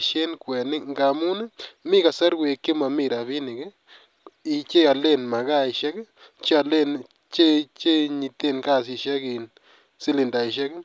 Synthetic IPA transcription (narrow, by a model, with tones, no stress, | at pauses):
ʃe˦nkwɛ˨nɪ˦ŋɡa˨mu˦ne˦mi˦ka˨sa˦ɾwe˨ke˦ma˨mi˦˧ɾa˨βi˦ni˨ɡe˦ | i˨t͡ʃe˦a˨le˦nma˨ɡa˦i˨ʃɛ˦ɡ | t͡ʃe˦a˧˨le˦˨n | t͡ʃe˦˨t͡ʃe˦ɲi˨t̪e˦˨nka˦˨s̬i˧ʃa˦ɡi˨n | si˦li˨nd̪a˨i˨ʃ̬ɛ˦ke˦